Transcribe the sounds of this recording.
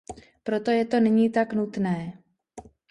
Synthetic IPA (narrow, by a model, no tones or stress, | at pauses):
pɾo̞t̪o̞jɛt̪o̞nɛɲiːt̪aknut̪nɛː